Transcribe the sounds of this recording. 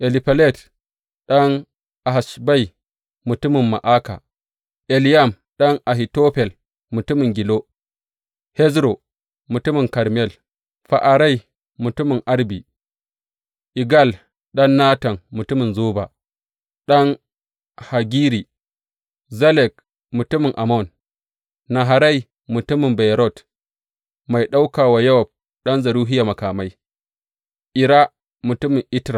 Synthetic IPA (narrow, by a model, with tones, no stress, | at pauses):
ʔe˨li˨pa˨le˦˨t | ɗa˦n | a˨ɦa˨ʃba˦i˨ | mu˨tu˦mi˨mːa̰˨ʔa˦ka̰˨ | ʔe˨lja˦˨m | ɗa˦ŋʔa˨ɦi˨to˦ɸɛ˨l | mu˨tu˦mi˨ŋɡi˨lo˦ | he˦zɾo˨ | mu˨tu˦mi˦˨ŋka˨ɾmɛ˦˨l | ɸa̰˨ʔa˨ɾa˦j | mu˨tu˦mi˨ŋʔa˦ɾbi˨ | ʔi˨ɡa˦˨l | ɗɐ˦nːaː˦tɐ˨nmʊ˨tʊ˦mɪ˨nzoː˦ba˨ | ɗɐ˦ŋ | ha˨ɡʲiː˦ɾi˨ | zɐ˦lɛ˨k̚ | mʊ˨tʊ˦mɪ˨ŋʔa˨mɔ˦˨n | na˨ɦa˨ɾa˦˨j | mʊ˨tʊ˦mɪ˨mba˨jɾɔ˦˨t | ma˨jɗa˦wkaː˨wa˨jɐ˦wɔ˨b̚ | ɗɐ˦nzɐ˨ɾuː˦ɦɪ˦ja˨mɐ˨kaː˨ma˦j | ʔɪ˨ɾa˦ | mʊ˨tʊ˦mɪ˨ŋʔɪ˦tɾa˨